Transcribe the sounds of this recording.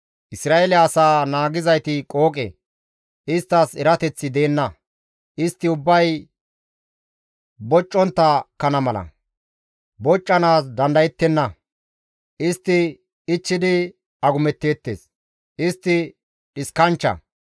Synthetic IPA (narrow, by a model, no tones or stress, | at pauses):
ʔɪsɾaːelɛɐsaːnaːɡɪzɐjt̪ɪkʼo̞ːkʼḛ | ʔɪst̪ːɐsɛɾɐt̪ɛt͡sːɪd̪e̞ːnːɐ | ʔɪst̪ːɪʊbːɐj | bɔt͡ʃʼːɔnt̪ːɐkɐnɐmɐlɐ̰ | bɔt͡ʃʼːɐnaːsd̪ɐnd̪ɐjɛt̪ːɛnːɐ | ʔɪst̪ːɪ | ɪt͡ʃːɪd̪ɪ | ɐɡʊmɛt̪ːe̞ːt̪ːḛːs | ʔɪst̪ːɪ | ᶑɪskɐnt͡ʃːɐ̰